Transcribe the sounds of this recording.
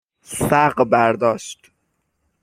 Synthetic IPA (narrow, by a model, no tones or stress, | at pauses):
sæɢbæɾd̪ɒːʃt̪